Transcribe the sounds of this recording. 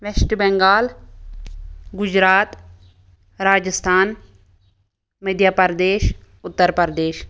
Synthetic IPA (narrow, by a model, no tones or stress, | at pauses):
ʋesʈbɛ̃ŋɡaːl | ɡʊd͡ʒɾaːt̪ | ɾaːd͡ʒəst̪ʰaːn | məd̪jaːpəɾd̪eːʃ | ʊt̪ːəɾpəɾd̪eːʃ